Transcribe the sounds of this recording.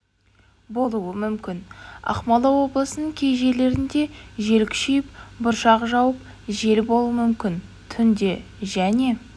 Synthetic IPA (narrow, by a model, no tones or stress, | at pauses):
bo̞lˠuəmʏmkʲɪnɑ̰qmɑlˠɑwo̞blˠəsənəɴkʲʰe̞jʒe̞le̞ɾɪnd̪e̞ʒe̞lkʲʃejɪpbʊɾʃɑqʒɑwəp̚ | ʒe̞lbo̞lˠuəmʏmkʲɪn | t̪ʰʏnd̪e̞ | ʒæne̞